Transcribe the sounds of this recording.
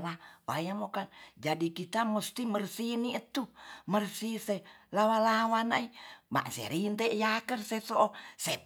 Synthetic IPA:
lawajamokand͡ʒadikit̪amust̪imərsiniət̪umərsiselawalawanaima̰ʔsɛ̰ɾint̪ɛʔjakərsesoʔosɛ

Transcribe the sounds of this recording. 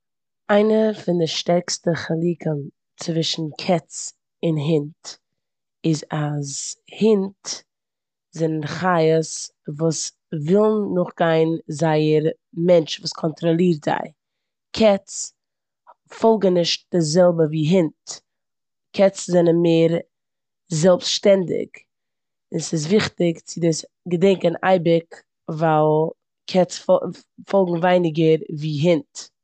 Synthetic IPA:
aɪnəfɪndɪʃtɛɾkstəχalˠiːkən | t͡svɪʃn̩kʰɛt͡s | ɪnɦɪnt | ɪzazhɪnt | zɛnənχaɪəsvuːs | vɪlˠnːʊχɡaɪnzaɪəɾ | mɛnt͡ʃvuːskʰɔntɾɔlˠiːɾtza̰ɪ | kʰɛt͡s | fɔlˠɡŋ̩nɪʃt̚d̥ɪzɛlˠbəviːɦɪnt | kʰɛt͡szɛnənmeɪːɾ | zɛlˠpsʃtɛndɪ̰k | ɪnsɪs̬vɪχtɪkt͡sɪdɪs | ɡədɛŋkəna̰ɪbɪk | valˠ | kʰɛt͡sf | fɔlˠɡŋ̩vaɪnɪɡəɾviːɦɪnt

